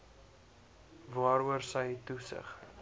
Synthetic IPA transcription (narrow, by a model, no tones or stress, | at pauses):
vɑːɾuərsəjtusə̰χ